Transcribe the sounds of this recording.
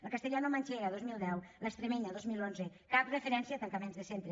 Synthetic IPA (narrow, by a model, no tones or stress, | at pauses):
əlˠkast̪eʎanumaɲʲt͡ʃeɾaðozmilˠd̪ɛwləst̪ɾemeɲaðozmilˠonze | kaprefeɾɛnsjat̪aŋkamenzðesent̪ɾe